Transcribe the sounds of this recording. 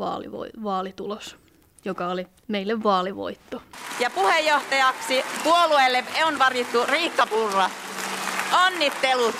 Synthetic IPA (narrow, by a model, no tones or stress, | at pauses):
ʋɑ̰ːlḭʋo̰iʋɑːlit̪ulos | jokɑoli | meilːeʋːɑːliʋo̰it̪ːojɑpuhejːoht̪ɑjɑksipuoluelːemeonʋɑrjit̪ːuriːkːɑpurːɑ | onːit̪ːelu